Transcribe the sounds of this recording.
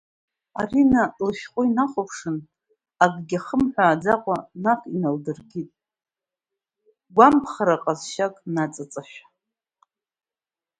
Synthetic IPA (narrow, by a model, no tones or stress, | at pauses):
a̰rinalʃᶣχʷʼʊinaχʷʊpʰʂɨn | aɡ̚ʼɡʲaχəmħʷᶣaːd͡zaqʷʼanaχʷʰʼinaldɨrɡʲitʼ | ɡʷampʰχaɾaqʼazʃakʼnat͡sʼat͡sʼaʃᶣḁ